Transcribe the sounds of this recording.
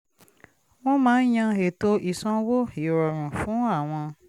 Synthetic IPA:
w̃ɔ̃˦mãː˨˦n̩˦j̃ã˧e˨to˧ʔi˨sɔ̃˧wo˦i˨ɾɔ˨ɾ̃ũ˨fũ˨˦a˦˨w̃ɔ̃˧

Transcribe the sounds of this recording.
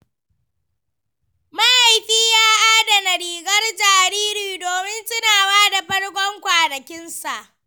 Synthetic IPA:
ma˦ʔa˨jɸiː˦jaː˦ʔaː˦da˨nɐ˨ɽiː˨ɡɐ˦rd͡ʒaː˨ɾiː˦ɾiː˨doː˨mɪ˦nsɪ˦naː˨waː˦da˨ɸɐ˦ɽkʷɔ˦ŋkʷaː˨nɐ˨kʲɪ˦nsa˨ʔ

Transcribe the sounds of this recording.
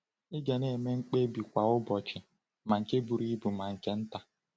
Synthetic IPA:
ɪ˦ɡe˨ne˦˨me˦ŋ͡m̩˦k͡pe˦bi˨kʷa˨ʊ˦bɔ˨t͡ʃɪ˨ | ma˨ŋ̩˨ke˦bu˨ɾi˦bu˨ma˨ŋ̩˨ke˦n̩˦ta˦

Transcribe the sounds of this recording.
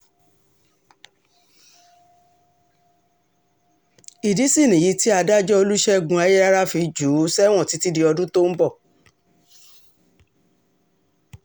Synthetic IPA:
i˨di˨˦si˦˨nĩ˨ji˨˦ti˦a˧da˦d͡ʒɔ˦o˧lu˦ʃɛ˦˨ɡũ˧a˧je˦a˦ɾa˦fi˧d͡ʒu˨˦sɛ˦w̃ɔ̃˦˨ti˨˦ti˦di˧ɔ˧dũ˦to˦m̩˦bɔ˦˨

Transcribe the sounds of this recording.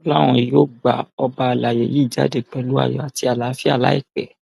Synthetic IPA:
lã˦ɔ̃˧i˨jo˦ɡ͡ba̰˨ɔ˧ba˧˨la˨je˨ji˦˨d͡ʒa̰˦de˦˨k͡pɛ˨lu˨˦a̰˦˨jɔ˨a˨ti˧a˨la˨˦fi˦a̰˦˨la˦ḭ˦˨k͡pɛ˨

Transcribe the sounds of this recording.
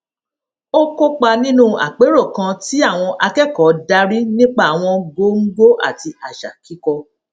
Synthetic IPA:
o˦ko˦k͡pa˧nĩ˦nũ˦a̰˨k͡pe˨˦ɾo˦˨kã˧ti˦a˦˨w̃ɔ̃˧ʔa˧kɛ˦˨kɔ˨˦da˦ɾi˦nĩ˦k͡pa˦˨a˨w̃ɔ̃˧ɡo˦ŋ̩˦ɡ͡bo˦ʔa̰˦˨ti˧a˨ʃa˨ki˨˦kɔ˧

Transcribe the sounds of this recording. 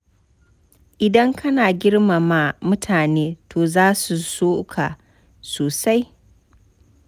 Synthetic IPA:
ʔɪ˨dɐ˦ŋkʰɐ˦naː˨ɡʲɪ˦rma˨ma˦mʊ˦tʰaː˨neː˦tʰoː˨zaː˦su˨soː˦kʰa˨ | soː˨sa˦j

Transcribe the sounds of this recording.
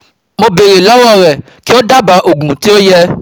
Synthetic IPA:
mo˧be˨ɾe˨lɔ˨˦wɔ˦˨ɾɛ˨ | ki˦o˦da˦ba˨˦ʔo˨ɡũ˨ti˦o˦jɛ˦

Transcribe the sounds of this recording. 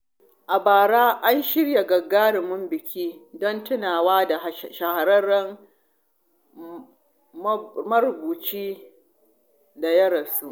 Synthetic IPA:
ʔa˨baː˨ɽaː˦ʔa˦nʃɪ˦ɽja˨ɡɐ˨ɡaː˦ɽɪ˨mʊ˦mbɪ˨kʲʰiː˦dɔ˦ntʊ˦naː˨waː˦da˨ʃa˨ha˨ɾɐ˦ɽɐ˦m˦ | mɐ˦ɾbuː˨t͡ʃiː˦ | da˨jɐ˦ɽɐ˨su˦ʔ

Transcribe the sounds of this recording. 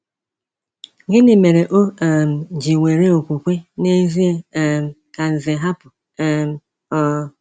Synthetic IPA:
ɡɪ˦nɪ˨me˨ɾe˨ʔo˦˨m̩˨d͡ʒi˨ŋʷe˨ɾe˦o˨kʷu˨kʷe˦ne˦zi˦e˦˨m̩˦ | ka˨ze˨ɦa˦pʊ˨˦ | ɔ˨

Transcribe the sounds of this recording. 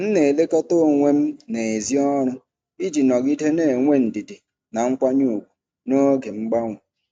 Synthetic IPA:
n̩˦ne˨le˦kɔ˦to˦˨ŋʷe˦m̩˦ne˨e˨zi˦ɔ˦ɾʊ˦ | i˦d͡ʒi˨nɔ˨ɡi˦de˦ne˨ŋʷe˦n̩˨di˨di˨ | na˨ŋ͡m̩˦kʷa˦ɲu˦˨kʷu̥˨ | no˦ɡe˨m̩˦ɡ͡ba˦ŋʷʊ˨

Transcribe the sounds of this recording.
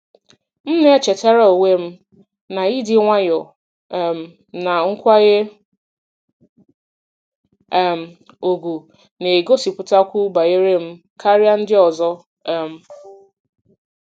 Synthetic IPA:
m̩˦ne˦e˦t͡ʃe˨ta˦ɾa˦o˨we˦m̩˦ | na˨i˦dɪ˦ŋʷa˦jɔ˨ | m̩˨ | na˨ŋ̩˦kʷa˦ɣe˦˨ | m̩˨ | o˨ɡʷu˨ | ne˨ɡo˦si˨pʊ˨ta˦kʷu˦ba˨je˦ɾe˦m̩˦ | kʰa˦ɾja˦n̩˦dɪ˦ɔ˨zɔ˦˨ | m̩˨

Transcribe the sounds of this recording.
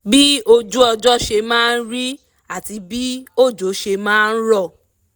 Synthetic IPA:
bi˦o˧d͡ʒu˦ɔ˧d͡ʒɔ˦ʃe˧mãː˦˧n̩˦ɾi˦ | a˦˨ti˧bi˦o˦˨d͡ʒo˨˦ʃe˧mãː˦˧n̩˦ɾɔ˦˨

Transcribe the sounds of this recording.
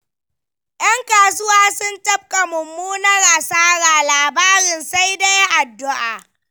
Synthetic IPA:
ʔj̰ɐ˦ŋkaː˨sʊ˦waː˦sʊ˦ntɐ˦b̚kʼa˨mʊ˨mːuː˦nɐ˦rʔa˨saː˦ɽaː˨laː˨baː˦ɾɪ˨nsa˦jda˦jʔa˨dːʊ˦ʔaː˨

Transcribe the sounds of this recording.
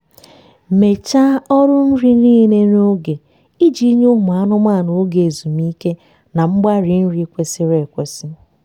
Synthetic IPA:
me˨t͡ʃa˦ɔ˦ɾʊ˦n̩˦ɾi˦niː˦ne˦ɾo˦ɡe˨ | i˦d͡ʒi˦ɲ˦ʊ˦m˨a˦nʊ˦ma˦˨no˨˦ɡe˨e˨zu˨mi˦ke˦ | na˨ŋ͡m̩˦ɡ͡ba˦ɾi˨n̩˦ɾi˦kʷe˦sɪ˦ɾe˨kʷe˨sɪ˦

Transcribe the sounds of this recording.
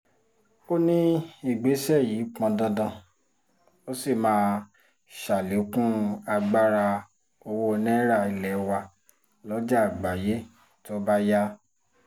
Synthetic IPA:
o˦nĩ˦i˦˨ɡ͡be˨˦sɛ˦˨jiː˨˦k͡pɔ̃˧dɔ̃˧dã˨ | o˦si˦˨mãː˨˦ | ʃa˨le˨˦kũ˦a˧ɡ͡ba˦ɾa˧ | o˧wo˦˧nɛ̃˦ɾa˦˨i˧lɛ˨˦wa˧ | lɔ˦d͡ʒa˦˨ɡ͡ba˨je˦ | to˦ba˦ja˦

